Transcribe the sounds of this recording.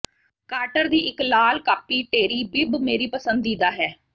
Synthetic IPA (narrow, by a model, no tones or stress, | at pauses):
kaːɾʈəɾd̪iːʔɪklaːlkaːpiːʈeːɾiːbɪbmeːɾiːpəsənd̪iːd̪aːɦɛː